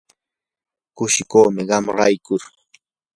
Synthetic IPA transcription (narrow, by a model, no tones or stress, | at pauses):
kʊʃɪkoːmɪɢɑmɾajkʊɾ